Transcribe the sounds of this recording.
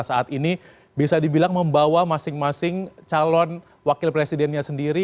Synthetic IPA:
saat̪ini | bisadibilaŋməmbawamasɪŋmasɪŋt͡ʃalɔn | wakɪlpɾesidɛnɲasəndiɾi

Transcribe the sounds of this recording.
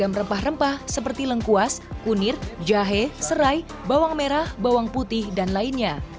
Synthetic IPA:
amrəmpahrəmpahsəpərt̪iləŋkuaskunɪrd͡ʒaɦɛsəɾaj | bawaŋmeɾahbawaŋput̪ɪhdanlainɲa

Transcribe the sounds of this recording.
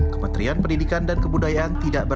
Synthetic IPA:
kəmə̃nt̪ɾianpəndidikandankəbudajaʔant̪idaʔbə

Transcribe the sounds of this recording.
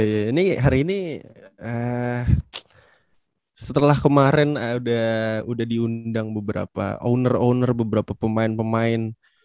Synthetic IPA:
janiɦaɾiːni | ə | sət̪əlahkəmaɾɛnudahudahdiundaŋbəbəɾa̰pa̰ʔo̰nəronərbəbəɾapapəmaɪnpəmaɪn

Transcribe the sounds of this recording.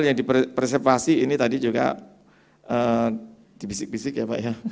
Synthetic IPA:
ljaŋdipprs̬ɛrfasiinit̪adid͡ʒuɡa̰ | ʔəː | d̥ifisɪk̚bisɪkjapa̰ʔja

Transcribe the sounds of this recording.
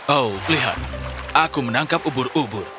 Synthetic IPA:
owliɦa̰t̪̚akumənaŋkapubʊɾubʊr

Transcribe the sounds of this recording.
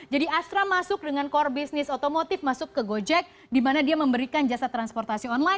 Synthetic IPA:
d͡ʒadiast̪ɾamasʊk̚dəŋankɔrbisnɪsot̪omot̪ɪfmasʊkːəɡod͡ʒɛk̚ | dimanadiaməmbəɾikand͡ʒasat̪ːɾanspɔrt̪asiɔnla

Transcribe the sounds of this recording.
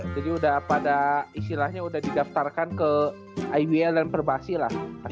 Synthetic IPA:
d͡ʒadiudahpadaist̪ilahɲaudahdidaft̪arkankə | ajwiɛldanpərbaasilahpa

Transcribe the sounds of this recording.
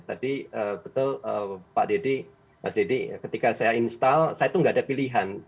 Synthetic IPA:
t̪a̰diəbət̪ʊləpa̰ʔdedi | ma̰sdedḭkət̪ikasajainst̪alsajat̪uŋɡaadapiliɦan

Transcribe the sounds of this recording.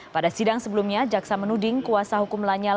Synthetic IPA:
padasidaŋsəbəlumɲad͡ʒaksamənudɪŋkuasaɦukumlaɲal

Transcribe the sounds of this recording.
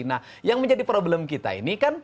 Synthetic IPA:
nah | jaŋməɲd͡ʒadipɾoblɛmkit̪a̰ḭnikan

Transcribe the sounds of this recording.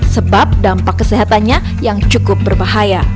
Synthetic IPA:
səbap̚dampakːəseɦat̪anɲa | jaŋt͡ʃukʊp̚bərbaɦaja

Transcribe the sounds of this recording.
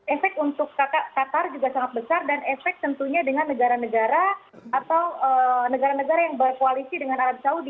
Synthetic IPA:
efɛk̚t̪unt̪ʊkːaakat̪ard͡ʒuɡasaŋat̪̚bəsardanʔefɛk̚t̪ənt̪uɲadəŋanːəɡaɾanəɡaɾa | at̪awənəɡaɾanəɡaɾajaŋbəkoalisidəŋanaɾabsaudi

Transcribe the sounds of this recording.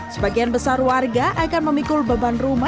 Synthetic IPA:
səbaɡianbəsarwarɡaʔakanməmikʊlbabanruma

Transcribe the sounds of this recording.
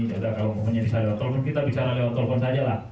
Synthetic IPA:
adakalamɔɦɔnɲabisalewat̪ɔlfɔnkit̪abisaɾalewat̪ɔlfɔnsad͡ʒalah

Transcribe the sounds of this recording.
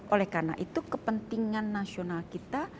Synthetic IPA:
ʔolɛhkarna̰ʔit̪ukəpənt̪iŋanːasionalkit̪a

